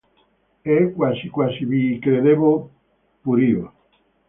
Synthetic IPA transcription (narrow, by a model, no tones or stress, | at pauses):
ɛkwasikwasiβikɾeðeβo | puɾio